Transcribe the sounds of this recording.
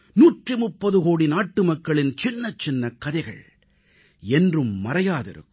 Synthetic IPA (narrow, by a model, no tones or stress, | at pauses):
nuːʈrɯmʊpːɐðɯɣoːɽinaːʈːɯmɐkːɐɭɪnt͡ʃɪnːɐt͡ʃːɪnːɐkːɐðɐɪɣɐ̰ɭ | ɛndrɯmːɐɾɐjaːðɪ̰ɾɯ̰kː